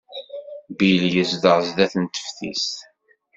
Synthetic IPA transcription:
biljəsðəʁzðæθənt̪ə̥fθḭs

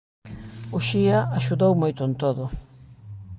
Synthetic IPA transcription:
ʊʃiaaʃuðowmojt̪ʊnt̪oðʊ

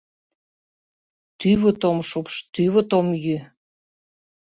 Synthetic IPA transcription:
t̪yβət̪omʃupʃt̪yβə̆t̪omjy

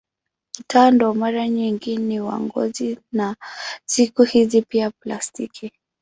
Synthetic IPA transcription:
kitʰandɔmaɾaɲiŋɡiniwa̰ŋɡɔ̰zinasikuhizipiaplastikʰi

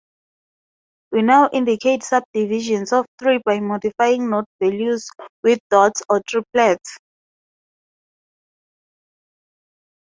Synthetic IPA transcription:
winawʔĩndikʰetsab̚diviʒɔ̃nsɔftɹibajmɔdifajĩŋnotvɛljuzwiθdɔtsɔtʰɹipʰlɛts

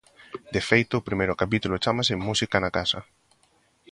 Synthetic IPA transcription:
d̪efejt̪ʊːpɾimejɾʊkapit̪ulot͡ʃamasɪmusikanakasɐ

